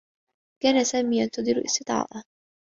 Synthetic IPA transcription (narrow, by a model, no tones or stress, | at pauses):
kaːnasaːmiːjant̪ɑd̪ˤɨɾʔɪ̰st̪ɨt̪ˤɑ̰ːʔa